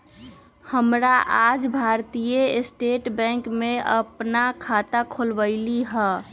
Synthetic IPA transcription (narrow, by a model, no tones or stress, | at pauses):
həmɾaʔaːd͡ʒbʱaːɾt̪ijesʈeːʈbɛ̃ːŋkmẽə̰pnakʰat̪akʰolbəɪliɦɛː